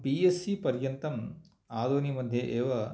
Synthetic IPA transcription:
piːesːipɐɾjɐnt̪ɐm | aːd̪oːnimɐd̪ʱjeʔeːʋɐ

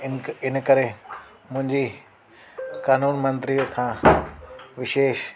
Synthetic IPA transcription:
ɪnəkɐɾe | mʊ̃ɦɪ̃ɲd͡ʑi | kaːnuːnmɐ̃nt̪ɾijəkʰãː | ʋɪʃeːʃ

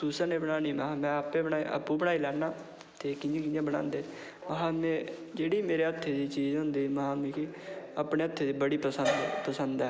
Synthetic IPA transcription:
suːsəneːbəɽaːniːmaːmɛ̃ːapeːbəɳaːiʔa̰ːpubəɽaːiːlɛːnaː | t̪eːkɪ̃nd͡ʒẽːkɪ̃ɲd͡ʒẽːbəñã̰ːnd̪eː | maɦaːmɛ̃ː | d͡ʒeːɽiːmeːɾeːət̪ʰːeːd̪iːt͡ʃiːzɦʊ̃nd̪iːmaːmiːkiaːpɽeːət̪ʰːeːd̪iːbəɽiːpəsənd̪pəsənd̪ɛː

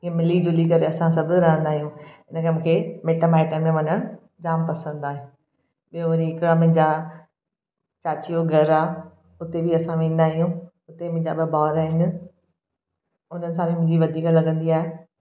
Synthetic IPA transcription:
iẽmɪlid͡ʑʊlikɐɾeɐsãsɐbʱʊ̆ɾɐɦə̃nd̪aːɦijũɪnəkɐm̃ːkʰeːmeːʈəmaːɪʈəɾmẽʋɐɲəɽ̃ | d͡ʑaːmpɐsə̃nd̪aːɦɪ̃ | ɓijoʋɐɾiɪkɽamʊ̃ɦɪ̃ɲd͡ʑa | t͡ɕaːt͡ɕijoɡʱɐɾaː | ʊt̪ebʱiɐsãʋẽːn̆d̪aːɦijũ | ʊt̪emʊ̃ɦɪ̃ɲd͡ʑa̰ɓɪbaːɾaːɦɪnɪ̆ | ʊn̤ənɪsãbimʊ̃ɦɪ̃ɲd͡ʑiʋɐd̪ʱiːklɐɡə̃nd̪iaːɦe

